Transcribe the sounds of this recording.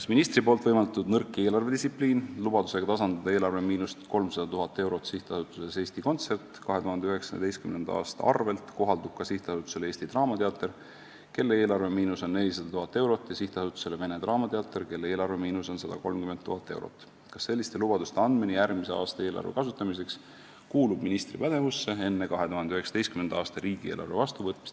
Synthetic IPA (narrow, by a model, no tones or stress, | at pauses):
kɑsminist̪ɾipoːlt̪vɤjmɑld̪ɑt̪ud̪nɤrkˑːie̞ːlɑrve̞d̪isipliːnlub̥ɑd̪̥u̥se̞ɡ̥ɑt̪ɑsɑnd̪ɑd̥̪ɑeːlɑrve̞miːnust̪ko̞lmsɑd̪̥ɑt̪uɦɑt̪ːˑe̞wɾo̞t̪siht̪ɑsut̪ːˑusese̞ːst̪iko̞nt̪se̞rt̪kɑɦe̞t̪uɦɑnd̪eyhe̞ksɑd̪e̞jst̪kymnend̪̥ɑɑ̰ːst̪ɑ̰ɑ̰rve̞lt̪ko̞ɦɑld̪ub̚kɑsiht̪ɑsut̪ːˑu̥se̞le̞ːst̪it̪rɑːmɑt̪eɑt̪ːˑe̞r | ke̞lːeeːlɑrvemiːnuso̞nːe̞lʲːis̬ɑd̪̥ɑt̪uɦɑt̪ːˑe̞wɾo̞t̪ːˑjɑsiht̪ɑsut̪ːˑu̥se̞leve̞ne̞t̪rɑːmɑt̪e̞ɑt̪ːˑe̞rke̞lːee̞ːlɑrvemiːnuso̞nsɑd̪̥ɑko̞lmkyment̪ːuɦɑt̪ːˑe̞̰wɾo̰t̪ːˑ | kɑsːe̞lʲːist̪e̞lub̥ɑd̪ust̪eɑnd̪̥minijæɾmise̞ɑ̰ːst̪ɑeːlʔɑ̰rvekɑsut̪ːˑɑmis̬e̞ks | kuːlub̥minist̪ripæd̪̥e̞vusːe̞e̞nːe̞kɑɦet̪uɦhɑnd̪yheksɑd̪ejst̪kymnend̪ɑːst̪ɑɾiːɡ̥ieːlʔɑ̰rvevɑst̪uvɤt̪ːˑmist̪